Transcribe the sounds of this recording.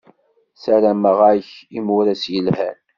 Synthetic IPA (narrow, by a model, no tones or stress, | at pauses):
sæɾæməʁaçimʊɾæsjəlhæ̰n